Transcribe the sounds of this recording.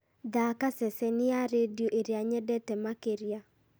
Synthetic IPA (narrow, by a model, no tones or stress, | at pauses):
ðakasɛsɛnɪaɾedjoʔeɾeaɲɛdɛtɛmakeɾja